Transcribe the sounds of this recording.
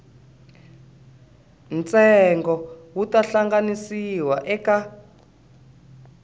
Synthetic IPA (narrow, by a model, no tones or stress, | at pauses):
nt͡sʼɛŋɡɔwutaɬaŋɡanisiwaʔɛka